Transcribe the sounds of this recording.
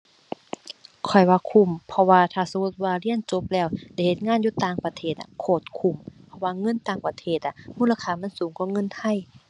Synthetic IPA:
kʰɔ˨˩jwaː˧kʰu˧˩˨mpʰɔ˧waː˧t̪ʰaː˧˩sa˧ŋu˧˩t̪̚waː˧li˧˥ənt͡ɕo˧˦p̚lɛː˧˩wda˧˩˨jhe˧t̪̚ŋaː˧˥˨njuː˧˦t̪aː˧˩ŋpa˧t̪ʰeː˧˩t̪̚a̰˧kʰoː˧˩t̪̚kʰu˧˩˨mpʰɔ˧waː˧˨ŋɤ˧˥˨nt̪aː˧˩ŋpa˧t̪ʰeː˧˩t̪̚ʔa˧˩muː˧˥˨la˧kʰaː˧˩ma˧˥˨nsuː˨˦ŋkʰɔː˧˥˦ŋɤ˧˥˨nt̪ʰa˧˥˨j

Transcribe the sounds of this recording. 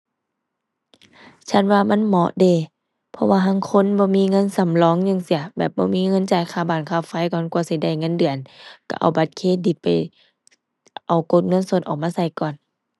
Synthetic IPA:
t͡ɕʰa˧˥˨nwaː˧ma˧˥˨nmɔ˧˦ʔdeː˧˩ | pʰɔ˧waː˧ɦa˧˥˨ŋkʰo˧˥˨nbɔː˧˦miː˧˥˨ŋɤ˧˥˨nsa˧˩mlɔː˧˦˨ŋɲa˧˨ŋsi˧˩ɐbɛː˨˩p̚bɔː˧˦miː˧˥˨ŋɤ˧˥˨nt͡ɕaː˧˩jkʰaː˧˩baː˨˩nkʰaː˧˩˨fa˧˥˨jkɔː˧˨nkwa˧˦si˧˦jda˧˩˨jŋɤ˧˥˨ndɯ˨˩ənka̰˧˩ʔa̰˨˩wba˨˧˦t̪̚kʰeː˧˥˨di˧˩t̪̚pa˨j | ʔa˨˩wko˧˦t̪̚ŋɤ˧˥˨nso˧˦t̪̚ʔɔː˨˩k̚maː˧sa˧˩jkɔː˨n

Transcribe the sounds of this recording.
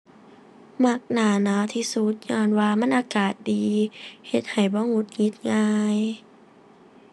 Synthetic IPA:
ma˧˦k̚naː˨˩na˧˦t̪ʰiː˧su˧˦t̪̚ɲɔː˧nwaː˧ma˧˥˨nʔaː˧kaː˨˩t̪̚diː˨he˧˦t̪̚ha˨˩jbɔː˧˦ŋu˧˦˥t̪̚ŋi˧˦˥t̪̚ŋaː˧j

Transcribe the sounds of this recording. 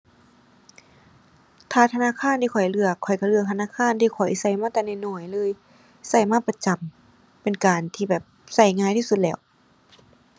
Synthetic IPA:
t̪ʰaː˧˩t̪ʰa˧naː˧˥˨kʰaː˧˥˨nt̪ʰiː˧kʰɔ˨˩jlɯ˧˩əkʰːɔ˨˩jka˧˩lɯ˧ək̚t̪ʰa˧naː˧˨kʰaː˧˥˨nt̪ʰiː˧˩kʰɔ˨˩jsa˧˩jmaː˧˥˨t̪ɛː˧˨na˧˩jnɔː˧˩jlɤː˧˥˨j | sa˧˩jmaː˧˥˨pa˧t͡ɕa˨m | pe˨nkaː˨˩nt̪ʰiː˧˩bɛː˨˩p̚sa˧˩jŋaː˧˨jt̪ʰiː˧su˧t̪̚lɛː˧˩w

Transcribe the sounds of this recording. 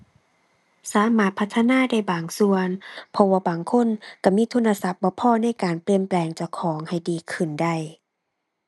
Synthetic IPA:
saː˨˦maː˧˩t̪̚pʰa˧t̪ʰːa˧naː˧˥˨da˥˩jbaː˨˩ŋsu˧ənpʰɔ˧waː˧˩baː˨ŋkʰo˧˥˨nka˧˩miː˧˥˨t̪ʰu˧˥˨na˧sa˧˩p̚bɔː˧˦pʰɔː˧˨na˥˨jkaː˨npli˧əmplɛː˨˩ŋt͡ɕa˧˩wkʰɔː˨˦ŋha˨˩jdiː˨˩kʰɯ˧˩nda˧˩j

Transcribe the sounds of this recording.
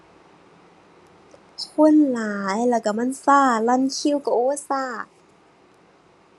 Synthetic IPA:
kʰo˧˥˨nlaː˨˦jlɛː˧˩wka˧˩ma˧˥˨nsaː˧˥˩la˧˥˨nkʰi˧˥˨wka˧˩ʔoː˧˦˨saː˧˥˩

